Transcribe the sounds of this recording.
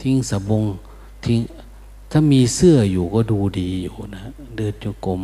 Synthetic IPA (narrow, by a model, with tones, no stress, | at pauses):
t̪ʰi˧˦ŋsa˨˦bo˧ŋ | t̪ʰi˧˥ŋ | t̪ʰaː˥˨miː˧sɯ˥˩ɐjuː˨˩kɔː˥˩duː˧diː˧juː˨˩na˦˧ | dɯː˧˩t̚t͡ɕu˧˩˦ko˧m